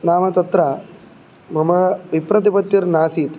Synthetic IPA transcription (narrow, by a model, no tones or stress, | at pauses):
naːmɐt̪ɐt̪ɾɐ | mɐmɐʋipɾɐt̪̬ipɐt̪jiɾnaːsiːt̪